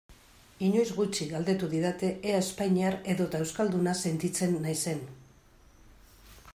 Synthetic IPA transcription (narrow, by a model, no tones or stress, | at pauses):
iɲo̞jzɣut͡ʃiɡald̪e̞t̪uðiðat̪e̞ʔeaespajɲeaɾe̞ðo̞t̪aewskald̪unase̞nt̪it͡se̞nːajse̞n